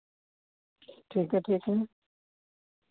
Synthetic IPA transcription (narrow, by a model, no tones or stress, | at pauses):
ʈʰiːkɦɛʈʰiːkɦɛ